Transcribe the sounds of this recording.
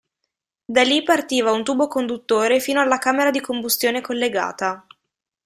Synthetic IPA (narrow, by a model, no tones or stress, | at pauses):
d̪alipart̪iːvaunt̪uːbokond̪ut̪ːoːɾefiːnoalːakaːmeɾad̪ikombust̪joːnekolːeɡa̰ːt̪a